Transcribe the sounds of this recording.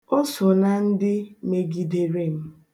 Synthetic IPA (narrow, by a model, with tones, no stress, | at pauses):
o˦so˨na˨n̩˦dɪ˦me˨ɡi˨de˨ɾe˦˨m̩˦